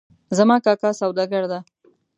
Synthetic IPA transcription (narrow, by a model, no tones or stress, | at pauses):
zamɑkɑkɑsawd̪aɡaɾd̪a